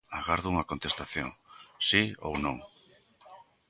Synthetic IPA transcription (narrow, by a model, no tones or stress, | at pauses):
aɣaɾðuŋɐkont̪est̪aθjõ̰ŋsio̰wnõ̰ŋ